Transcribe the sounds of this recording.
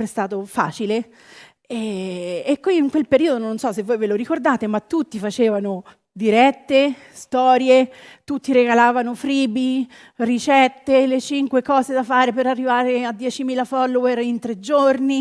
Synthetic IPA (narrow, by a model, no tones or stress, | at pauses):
ɾest̪aːt̪ofa̰ːt͡ʃile | ɛː | kːwiːŋkwelpeɾiːod̪ononsɔsːevːoːjveloɾikord̪aːt̪emat̪ːut̪ːifat͡ʃeːvano | d̪iɾɛt̪ːe | st̪ɔːɾjet̪ut̪ːiɾeɡalaːvanofɾiːbi | rit͡ʃɛt̪ːelet͡ʃiŋkwekɔːzed̪afaːɾepeɾarːivaːɾead̪ːjɛːt͡ʃimiːlafɔlːowerint̪ɾed͡ʒorni